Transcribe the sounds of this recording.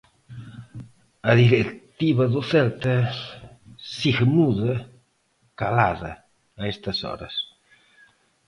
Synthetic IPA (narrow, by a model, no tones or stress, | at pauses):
aðiɾekt̪iβaðofɛlt̪ə | siɣmuðə | kalaðə̰ː | ɛst̪ɐsɔ̰ɾə̰s